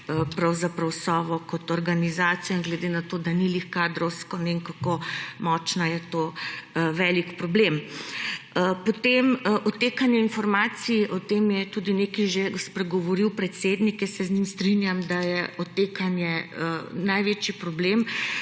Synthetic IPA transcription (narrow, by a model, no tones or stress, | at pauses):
əpɾawzapɾawsɔːʋɔkɔt̪ɔɾɡanizaːt̪sijɔŋɡlɛd̪enat̪oːd̪anilixkad̪ɾɔwskɔnɛiŋkakomɔːt͡ʃnajɛt̪o | ʋɛːlikpɾɔblem | pɔt̪emʔɔt̪eːkanjɛinfɔɾmaːt̪siʔɔt̪emjɛt̪ud̪inekiʒespɾɛɡɔʋɔɾiwpɾɛt̪sed̪nikjɛsɛznɲimst̪ɾinjamd̪ajɛɔt̪eːkanjɛənajʋet͡ʃipɾɔblem